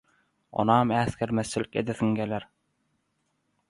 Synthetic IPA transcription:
ɒ̰nɑmæθkæɾmæθt͡ɕɘlɘkæ̰d̪æθɘ̆ŋɡælæɾ

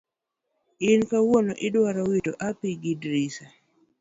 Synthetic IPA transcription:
ɪnkawonoʔɪdwaɾawitoʔapiɡidɾisa

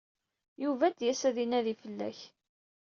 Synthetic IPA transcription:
juvæd̪jæsæðinæðifəlːæ̰ç

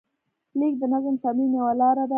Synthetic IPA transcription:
lek̚d̪ənazəmt̪amimjawalɑɾad̪a

